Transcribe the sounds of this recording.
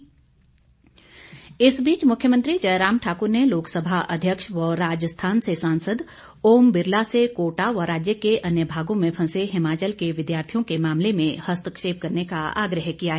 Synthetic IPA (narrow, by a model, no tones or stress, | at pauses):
ɪsbiːt͡ʃmʊkʰjəmə̃nt̪ɾid͡ʒɐjɾaːmʈʰaːkʊɾneloːksəbʱaʔɐ̰d̪ʱjəkʃʋɔːɾaːd͡ʒəst̪ʰaːnsesãːnsəd̪ | oːmbɪɾlasekoːʈaʋəɾaːd͡ʒjəkeʔɐnjəbʱaːɡõmẽpʰɐ̃seɦɪmaːt͡ʃəlkeʋɪd̪jaːɾt̪ʰijõkemaːmlemẽhɐst̪ʰəkʃeːp̚kɐɾnekaa̰ːɡɾəɦkijaɦɛː